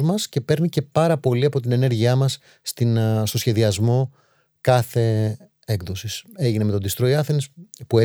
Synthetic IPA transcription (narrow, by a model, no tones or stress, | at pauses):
mɐsce̞pe̞ɾnice̞pɐɾɐpo̞liɐpo̞t̪ine̞ne̞ɾʝiɐmɐsː | t̪inst̪o̞sçe̞ðiɐzmo̞ | kɐθe̞ | ekðo̞sise̞ʝineme̞t̪od̪ist̪ɾo̞iɐθinespue